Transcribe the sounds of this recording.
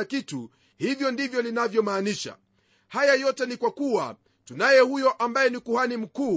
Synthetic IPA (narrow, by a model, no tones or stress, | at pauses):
akitu | hivjɔndivjɔninavjɔmaːniʃa̰ | hajajɔtɛnikwakuwa̰ | tunajɛhujɔʔambajɛnikuhanim̩kuː